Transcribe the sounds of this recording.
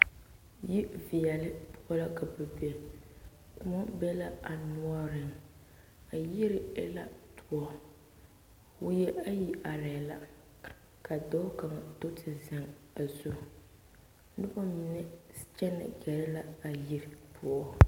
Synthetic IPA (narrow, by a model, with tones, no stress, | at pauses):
ji˦vi˨jɛ˨lɪ˦pʰʊ˦ʔɔ˦la˦ka˨bɛ˨bɛ˨ | kʊ˦mɔ˦bɛ˦la˦a˨nʊ˦ɔ˦ɾɪ˨m | a˨jɪ˦ɾɪ˨ɛ˦la˦tʰʊ˨ɔ˦ | wʊ˦jɛ˦a˦ji˦ʔa˨ɾa˨la̰˨ | ka˨dɔ˦ʊ˦ka˨ŋa˨to˦tʰɪ˨za˨ŋ | a˨zʊ˦ | nɨ˦bɔ˦mɪ˨nɛ˦t͡ʃɛ˦nɪ̰˨ɡɛ˨ɾɪ˦la˦a˨ji˦ɾɪ˨pʰʊ˨ɔ˦